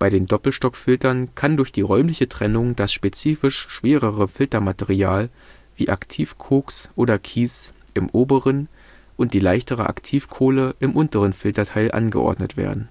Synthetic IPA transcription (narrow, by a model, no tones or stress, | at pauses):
b̥aɪɾeːndɔpl̩ʃtɔkfɪltɐnkʰandʊɐçd̥iːʁɔʏmlɪçətʁ̥ɛnʊŋd̥asʃpet͡siːfɪʃʃv̥eːʁəʁəfɪltɐmateʁiaːl | vḭːʔa̰ktʰiːfkʰoːksʔoːdɐkʰiːs | ʔɪmʔoːbəʁən | ʔʊnt̚d̥iːlaɪçtəʁ̞ə̰ʔa̰ktʰiːfkʰoːləʔɪmʔʊntəʁənfɪltɐtʰaɪlʔa̰nɡə̰ʔɔ̰ɐdnətv̥ḛːɐdn̩